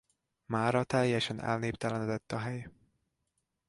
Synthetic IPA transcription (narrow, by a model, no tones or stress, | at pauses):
maːɾɒt̪ɛjːɛʃɛnɛ̰lneːpt̪ɛlɛnɛd̪ɛt̪ːɒɦɛj